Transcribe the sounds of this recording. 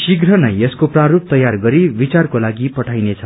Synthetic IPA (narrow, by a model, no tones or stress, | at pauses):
siɡrʌnʌjeskopraɾup̚t̪ʌjarɡʌɾibit͡sarkolaɡipʌʈʰajnet͡sʰʌ